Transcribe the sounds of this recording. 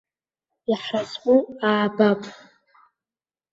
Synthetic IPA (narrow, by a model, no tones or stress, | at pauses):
iħrasʼqʼuaːbapʼ